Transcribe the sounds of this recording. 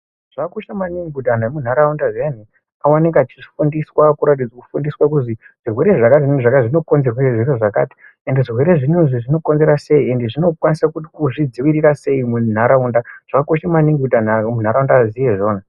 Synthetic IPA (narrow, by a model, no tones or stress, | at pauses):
ʐ̥akoʃamaniŋɡudʱan̤amun̤aɾaundaʐen̤i | awaneŋɡeat͡ʃifundiswakuɾat̬id͡zaku̥fundiswakuzi | ʐ̥irwe̞ɾeʐakatiʐakaiʐino̞ko̞nzerwaeʐweɾeʐaka̰ːti̥ | ende̞ʐirwe̞ɾe̞ʐinuʐiʐino̞ko̞nze̞ɾase̞iendeʐino̞kwanisakut̬i̥kuʐid͡ziʋiɾiɾase̞imun̤aɾaundaʐ̥akoʃamaniŋɡudʱan̤amun̤aɾaundazijeʐo̞ːna